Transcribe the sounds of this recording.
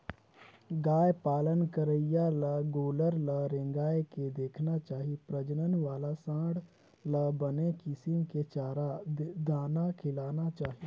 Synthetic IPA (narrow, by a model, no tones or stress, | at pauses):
ɡaːjpaːlənkəɾəijaləɡoːləɾləɾẽːŋɡaːjeked̪eːkʰnat͡ʃaːɦipɾəd͡ʒnənʋaːlasãːɽ | ləbənekɪsimket͡ʃaːɾad̪aːnakʰɪlaːnat͡ʃaːɦi